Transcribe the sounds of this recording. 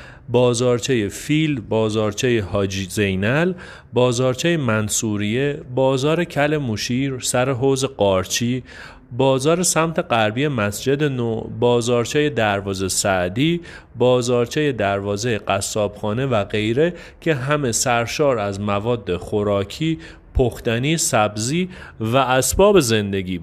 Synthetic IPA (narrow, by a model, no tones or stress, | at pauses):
bɒːzɒːɾt͡ʃʰejefilbɒːzɒːɾt͡ʃʰejehɒːd͡ʒizejnæl | bɒːzɒːɾt͡ʃʰejemænsuːɾije̞bɒːzɒːɾe̞cʰæle̞muʃiːɾsæɾe̞ɦoːze̞ɢɒːɾt͡ʃʰiː | bɒːzɒːɾe̞sæmt̪ʰe̞ɡæɾbije̞mæsd͡ʒe̞d̪e̞nobɒːzɒːɾt͡ʃʰejed̪æɾvɒːze̞sæʔd̪iː | bɒːzɒːɾt͡ʃʰejed̪æɾvɒːzejeɢæsːɒːb̥xɒːne̞væɣe̞jɾe̞ | cʰe̞ɦæme̞sæɾʃɒːɾæzmævɒːd̪ːexoɾɒːcʰiː | pʰoxt̪æniːsæbziːvæːsbɒːbe̞ze̞nd̪e̞ɡiː